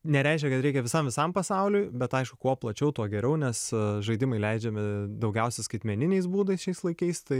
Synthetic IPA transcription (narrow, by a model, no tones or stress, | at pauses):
nʲɛɾʲæɪʃ̬ʲkʲɛkɐt̪ɾʲɛɪkʲɛʋʲɪsɐmʋʲɪsɐmpɐsɑʊlʲʊjbʲɛt̪ɐɪʃkʊkuɔplˠɐt͡ʃʲɛʊt̪uɔɡʲɛɾʲɛʊnʲɛsʒɐɪd̪ʲɪmɐɪlʲɛɪd͡ʒʲɛmʲɪd̪ɐʊɡʲɛʊsʲɛskɐɪt̪mʲɛnʲɪnʲɛɪsbuːd̪ɐɪsʃʲɛɪslˠɐɪkɐɪst̪ɐɪ